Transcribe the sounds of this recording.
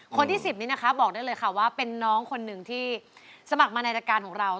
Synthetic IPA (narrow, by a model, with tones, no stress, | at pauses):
kʰo˧nt̪ʰiː˥˩si˨˩p̚niː˦˥na˦˥kʰa˦˥bɔː˨˩k̚daː˥˩jlɤː˧jkʰa˥˩waː˥˩pe˧nːɔː˦˥ŋkʰo˧nːɯ˨˩ŋt̪ʰiː˥˩sa˧ma˨˩k̚maː˧na˧jɾaː˧kaː˧nkɔː˨˩˦ŋɾa˧w